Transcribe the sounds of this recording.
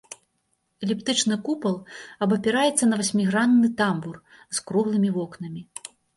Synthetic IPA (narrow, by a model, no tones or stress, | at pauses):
ɛlʲipt̪ɨt͡ʂnɨkupɐlˠɐbɐpʲɛɾajɛt̪sːɐnɐvɐsʲmʲiɣɾand̪nːɨt̪ambur | skɾuɣlˠɨmʲivɔknɐmʲi